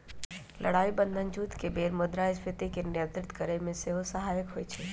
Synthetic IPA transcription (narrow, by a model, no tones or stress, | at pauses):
lʔɐ̰ɽaːibənd̪ʱənd͡ʒut̪kebeːɾmod̪ɾaɪspʰɪt̪ikenjət̪ɾɪt̪kəɾəmẽseɦosəɦaːjəkɦoːit͡ʃʰe